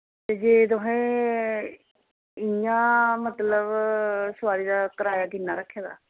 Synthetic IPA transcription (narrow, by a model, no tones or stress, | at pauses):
t̪eːd͡ʒeːt̪̬ʊɦẽː | ɪjãːmət̪ləbsʋaːɾiːd̪aːkəɾaːjaːɡ̪ɪnːaːɾəkʰːeːd̪a̰ː